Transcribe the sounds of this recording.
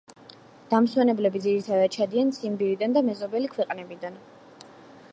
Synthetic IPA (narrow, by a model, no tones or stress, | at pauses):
d̪̥amswɛnɛblɛbid̪ziɾit̪ʰad̪ad̪̥̚t͡ʃʰad̪iansimbiɾid̪and̪amɛzɔbɛlikʰwɛqʼnɛbid̪an